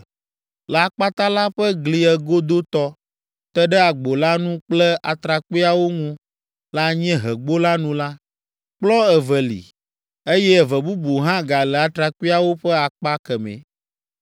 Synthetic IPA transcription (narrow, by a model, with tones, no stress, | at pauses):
lə˨a˨k͡pa˦t̪a˦la˦ɸɛ˦ɡli˨ɛ˨ɡo˦d̪o˦t̪ɔ˦ | t̪ɛ˦ɖɛ˦a˨ɡ͡bo˨la˦nũ˦k͡plɛ˦ʔa˨t̪ɾa˨ka˨wo˦ŋũ˦ | la˦ɲɛ̃˦ɦɛ˨ɡ͡bo˦la˦nũ˦la˦ | k͡plɔ˦ɛ˨vɛ˨lḭ˨ | e˦jɛ˦˨vɛ˨bu˦bu˨ɦã˦ɡa˨lɛ˨a˨t̪ɾa˨ku˦a˨wo˦ɸɛ˦a˨k͡pa˦kɛ˨mɛ̰̃˨